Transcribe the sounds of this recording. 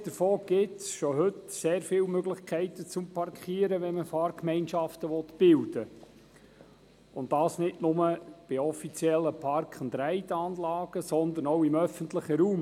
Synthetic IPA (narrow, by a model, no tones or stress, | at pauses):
d̥̪əɾfoːɡ̥ɪtsʃɔɦʏtseːɾfɪlmøɡlɪχkʰæɪtət͡sʊmpʰɑɾkχiːəɾəʋɛnməfɑːrkmɛɪnʃɑftəʋɔt̪b̥ɪldə | ʊndɑːsnɪdnʊməb̥ɪɔfit͡sjɛlːəpʰɑɾkχənd̪ɾæɪtɑːnlɑːɡ̥əsɔnd̪ənɔʊɪmœfənt̪ləχəɾuːm